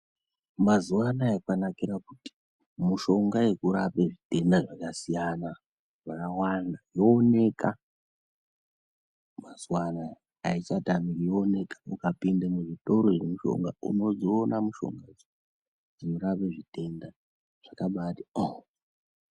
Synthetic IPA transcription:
mazuwanaakanakiɾakuti̥ | muʃo̞ŋɡaje̞kuɾape̞ʐite̞ndaʐakasijana | ʐakawandajoːne̞ka | mazuwanaː | it͡ʃatamijoone̞kḁukapindemuʐito̞ɾo̞eemuʃo̞̰ŋɡaṵno̞zoːnamuʃo̞̰ŋɡa | d͡zinoɾapeʐite̞nda | ʐ̥akaɓatio

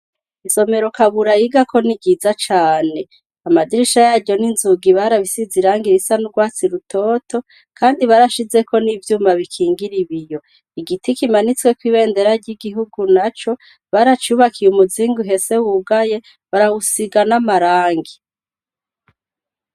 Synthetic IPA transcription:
iso̞me̞ɾo̞kaβuɾajiɡakʰo̞niɟiːzat͡ʃaːne̞ | amadiɾiʃajaːɟo̞ninzuɡiβaɾaβisiziɾaːŋɡiɾisanuɾɡwaːt͡siɾutʰo̞ːtʰo̞ | kʰaːndiβaɾaʃize̞ko̞nivjuːmaβikʰiːŋɡiɾiβijo̞ | iɡitikimanit͡swe̞kwiːβe̞ːnde̞ɾaɾɟiɡiɦuɡunat͡ʃo̞ | βaɾat͡ʃuːβakʰijumuziːŋɡuɦe̞se̞wuɡaje̞ | βaɾawusiɡanamaɾaːŋɡi

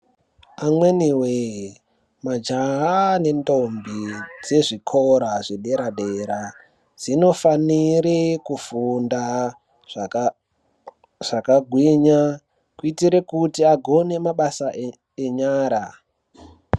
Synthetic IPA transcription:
amweniwe | mad͡ʒaɦane̞ndombid͡ze̞ʐikʰoɾaʐeɗe̞ɾaɗeɾa | d͡zino̞faniɾekufunda | ʐ | ʐ̥akaɡʱwiɲa | kuitiɾekutiaɡʱo̞ne̞maɓasa | eɲaːɾa

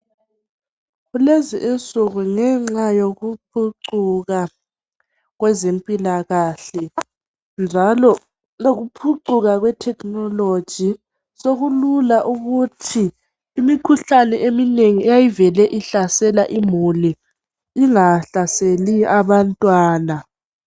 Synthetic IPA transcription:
ɣuleziʔent͡sʼuɣuŋɛŋ͡ǁajoɣup̚ʰuǀuɣa | ɣwɛzempʼilaɣaɬɛ | nd͡ʒʱalɔ | loɣupʰuǀuɣaɣwɛtʰɛkʰʼnɔlo̥d͡ʒ̥ʱi | soɣululaʔuɣutʰiː | mikʰuɬanɛʔemineŋiɛjajivɛlɛʔiɬasɛlaʔimuliː | ŋaɬaseliaβantʼwaːna

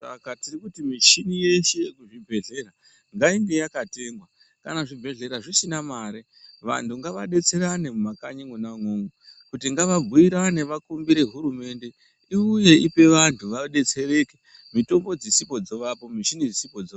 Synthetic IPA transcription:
sa̰katirikutimiʃinije̞ʃejekuʐibʱe̞ɮe̞ra | ŋɡaiŋɡe̞jakate̞ŋɡwa | kanaʐibʱe̞ɮe̞ɾaʐisinamaːɾi | ʋa̰ntʰuŋɡaʋaɗe̞t͡se̞ɾane̞mumakaɲeŋunaŋoŋokutiŋɡaʋaɡʱuiɾaneʋakumbiɾe̞ɦuɾume̞nde̞ | iuje̞ipe̞ʋantʰuʋaɗe̞t͡se̞re̞ke | mito̞mɡo̞d͡zisipo̞d͡zoʋapo̞miʃinid͡zisipo̞d͡zo

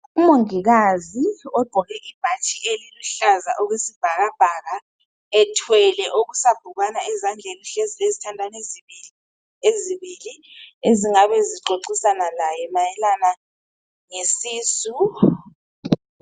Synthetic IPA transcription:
umoŋiɣaziɔɡ͡ǃ̥ʱɔɣɛʔib̥ʱat͡ʃʼiʔeliluɬaza̰ʔɔɣwesib̥ʱaɣab̥ʱaɣa | ɛtʰwɛlɛʔoɣusab̥ʱuɣanaɛzand͡ɮʱeliɬeziezitʰandʱanezii | eziβilieziŋaβɛziǃoǀisanalajɛmajɛlana | ŋesiːsu

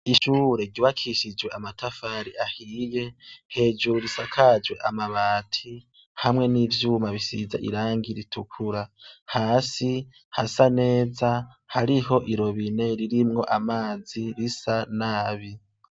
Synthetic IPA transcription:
iʃuːɾe̞ɟiβakʰiʃid͡ʒwe̞ʔamatʰafaːɾiahiːje̞he̞ːd͡ʒuɾisakʰaːd͡ʒwe̞ʔamaβaːtʰi | hamŋe̞niːvjuːmaβisiza̰ʔḭɾaːŋɡiɾitʰukʰuɾahaːsi | hasane̞ːza | haɾiɦo̞ʔiɾo̞βine̞ɾiɾimŋo̞̰ʔamaːd͡ziɾisanaːβi

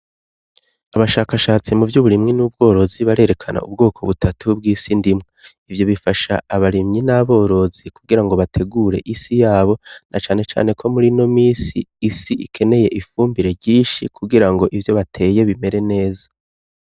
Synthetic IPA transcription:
aβaʃaːkaʃaːt͡simuvjuːβuɾimŋinuːb̚ɡo̞ːɾo̞ziβaɾe̞ːɾe̞kʰana̰ʔṵb̚ɡo̞ːkʰo̞βutʰatʰub̚ɡiːsindimŋe | ivjo̞βifaʃa̰ːβaɾimɲinaβo̞ːɾo̞zikuɡiɾaŋɡo̞βatʰe̞ɡuːɾe̞ʔisijaːβo̞nʔat͡ʃa̰ːne̞t͡ʃa̰ːne̞kʰo̞muɾino̞miːsḭːsiʔikʰe̞ne̞je̞ʔifuːmbiɾe̞ɾɟiːnʃikʰuɡiɾaŋɡo̞ʔivjo̞βatʰe̞ːje̞βime̞ɾe̞ne̞ːzḁ

